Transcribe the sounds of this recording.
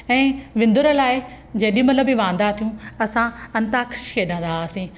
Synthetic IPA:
ɛ̃ːʋɪ̃nd̪ʊɾə̆laːɪ | d͡ʑɐɦɗiumɐt̪ləbiʋãːn̆d̪at̪ʰijũɐsãɐ̃nt̪akɾɪʃkʰeːɗə̃ːnd̪asĩ

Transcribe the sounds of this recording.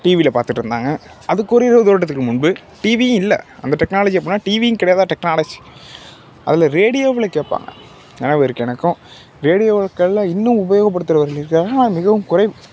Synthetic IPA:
ʈiːʋilɐpaːɾt̪ɯʈːɾɯnd̪aːŋɡɐ | ɐðɯkːɔːɾɐɪɾɐʋɐðoːʈ̬ːɐt̪ːɯkːɯmʊɳbɯ | ʈiːʋijɯ̃ɪlːɛ̰ɐ̰nd̪ɐʈɛknaːlɐd͡ʒiɐp̬ːinːaːʈiːʋijɯ̃kɪɽɐjaːðaːʈɛknaːlɐd͡ʒi̥ | ʔɐ̰ðɪlɐɾeːɽɪjoːʋɪlɐkeːʈ̚pa̰ːŋɡɐ̰ | ḛːnːaːʋɛɾɯkːɛnɐkːʊ̃ | ɾeːɽɪjoːkːɐɭlaɪnːɯ̃mʊbɐjoːɣɐpːɐɽɯt̪ːɯɾɐʋɐɾɣɐlɪɾɯkːaːanaːmɪɣɐʋɯmkʊɾɐɪʋɯ

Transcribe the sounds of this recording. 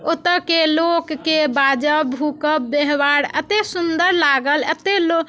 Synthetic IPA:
ot̪əkelokːebad͡ʒəbbʱukəbbeɦbaɾət̪esund̪əɾlaɡələt̪elo

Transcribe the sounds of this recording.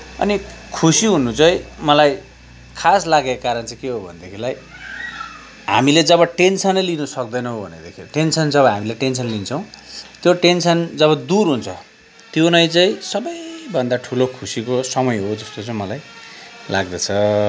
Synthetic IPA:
ʌ̰nikʰusiɦunut͡sʌj̃mʌlaj | kʰaslaɡekakaɾʌnt͡sʌj̃keɦobʱʌ̰nd̪ekʰilaj | ɦa̰miled͡zʌbʌʈensʌnʌjlinusʌk̚d̪ʌjnʌɦobʱʌ̰ned̪ekʰiʈensʌnd͡zʌbʌɦamileʈensʌnlint͡sʰʌw̃t̪joʈensʌnd͡zʌβʌd̪uɾɦunt͡sʰʌ | t̪jonʌjt͡sʌĩsʌbʌjbʱʌnd̪aʈʰulokʰusikosʌmʌjɦod͡zʌst̪ot͡sʌĩmʌlajla̰ɡd̪ʌt͡sʰʌ

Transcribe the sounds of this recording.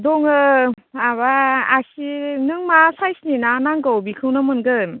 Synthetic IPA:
dɔŋɯ | aβaasinɯŋmasajsninanaŋɡawbikʰɯwnamɯnɡɯn

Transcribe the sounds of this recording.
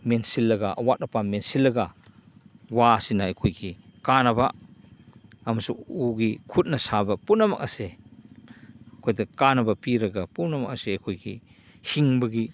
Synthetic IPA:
mensilːɐɡɐʔɐ̰wat̚ɐpamensilːɐɡɐ | wasinaɐjkʰojɡikanɐba | ɐmɐsuuɡikʰut̚nɐsabɐpunɐma̰k̚ɐse | kʰojdɐkanɐbɐpiɾɐɡɐpunɐma̰k̚ɐseɐjkʰojɡi | hiŋbɐɡi

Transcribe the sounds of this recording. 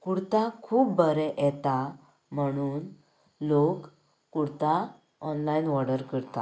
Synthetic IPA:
kuɽt̪akʰuːpbəɾɛʔɛt̪a | m̤əɽ̃uːn | lokː | uɽt̪a | ɔnlainʋɔɽəɾkəɾt̪a̰

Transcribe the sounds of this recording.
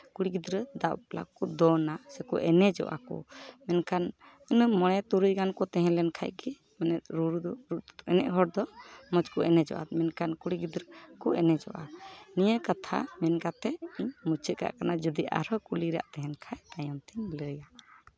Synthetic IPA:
kuɽiɡid̪ɾəd̪aʔpla̰kɔd̪ɔnasɛkɔʔɛnɛd͡ʒɔ̰ʔa̰kɔ̰mɛnkʰan | ənəmɔɽ̃ɛt̪uɾujɡankɔt̪ɛɦɛ̃lɛnkʰa̰jɡɛ | mɛnɛt̪̚ɾuɾd̪ɔɾuʔɛnɛ̰ʔɦɔɽd̪ɔmɔd͡ʒkɔʔɛnɛd͡ʒɔ̰ʔa̰t̪mɛnkʰankuɽiɡid̪ɾəkɔɛnɛd͡ʒɔ̰ʔanijəkat̪ʰa̰mɛnkat̪ɛiɲmut͡ʃʰəʔ̪ka̰ʔkanad͡ʒɔd̪iʔa̰ɾɔkuliɾɛa̰ʔt̪ɛɦɛnkʰajajɔnt̪ʰiɲləja

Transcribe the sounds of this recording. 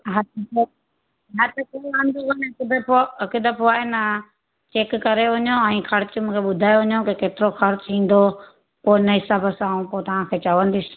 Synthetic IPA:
ɦɐt̪̚ʰko | ɦɐt̪ʰkelãːnd̪okɐnɐkɪd̪poɐkɪd̪əpʰoaːɦenɐ | t͡ɕeːkːɐɾeʋɐɲoɛ̃ːxɐɽt͡ɕʊmũːkʰeɓʊd̪ʱaːjoʋɐɲokekeːt̪ɪɾoxɐɾt͡ɕĩːn̆d̪o | poːɪnɐɦɪsaːbʱəsaːũpoːt̪ɐʋ̤ãkʰeːt͡ɕɐʋə̃nd̪is

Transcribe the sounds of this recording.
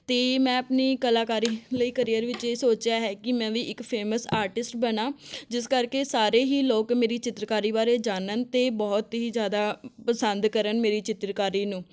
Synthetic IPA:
t̪eːmɛ̃ːəpniːkəlaːkaːɾiːləiːkəɾijəɾʋɪt͡ʃesoːt͡ʃjaːɦɛːkɪmɛ̃ːʋiːʔɪkpʰeːməsaːɾʈɪsʈbənaːd͡ʒɪskəɾkeːsaːɾeːɦiːloːkmeːɾiːt͡ʃɪt̪ɾkaːɾiːbaːɾeːd͡ʒaːnənt̪eːbɔːt̪ɦiːzjaːd̪aːpəsənd̪kəɾənmeːɾiːt͡ʃɪt̪ɾkaːɾiːnũː

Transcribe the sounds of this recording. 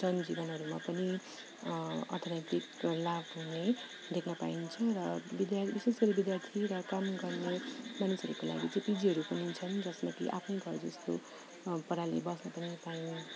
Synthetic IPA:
d͡zʌnd͡zibʌnɦʌɾumapʌni | ʌ̰rt̪ʰʌɾaʈiklabɦune | d̪ʱekʰnʌpa̰int͡sʰʌɾʌbid̪jabisesɡʌɾʌbid̪jart̪ʰiɾʌkamɡʌrnemanusʌɾukola̰ɡit͡sʌĩpid͡ziɦʌɾupʌnit͡sʰʌnd͡zʌsmʌkḭʔa̰pʰnʌjɡʱʌɾd͡zʌst̪o̰ | pʌɾalḭbʌsnʌpʌnipaini

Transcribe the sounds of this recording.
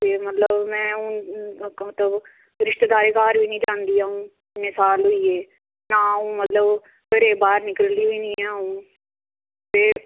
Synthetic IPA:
t̪eːmət̪ləbmɛ̃ːũː | mət̪ləb | ɾɪʃt̪d̪aːɾeːkaːɾʋiːnĩːd͡ʒãːnd̪iːɦaːũː | nːɪːsaːlɦʊiːeː | naːũːmət̪ləb | kəɾeːbaːɾnɪkəlliːʋiːnĩːaːũː | p̪eː

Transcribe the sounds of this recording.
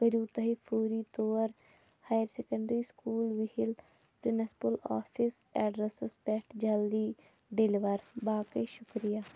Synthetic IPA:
bəɾuːt̪əɦiːpʰuːɾiːt̪oːɾ | haːjəɾseːkə̃ɳɖɾiːskuːlʋɪhɪl | pɾɪnəspəla̰ːpʰɪsɛːɖɾəsəspɛːʈʰd͡ʒəld̪iː | ɖɪliʋəɾbaːkəiʃʊkɾijaː

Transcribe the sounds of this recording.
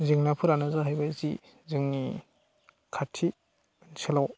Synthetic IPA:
zɯŋnapʰɯɾanɯzaɦajbajzḭ | zɯŋni | kʰatʰi | nselaw

